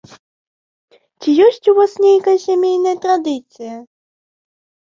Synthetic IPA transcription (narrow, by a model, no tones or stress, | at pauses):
t͡sʲijɔsʲt͡sʲuvasnʲejkɐjɐsʲamʲejnɐjɐt̪ɾad̪ɨt̪sɨjɐ